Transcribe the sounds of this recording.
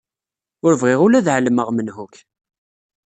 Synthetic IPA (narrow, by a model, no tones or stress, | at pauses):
ʊɾəvʁɪʁʊlæðʕələməʁmənhuk